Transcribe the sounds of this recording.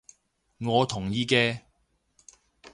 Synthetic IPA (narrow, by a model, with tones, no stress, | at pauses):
ŋɔː˨˧t̪ʰʊ˨˩ŋjiː˧kɛː˧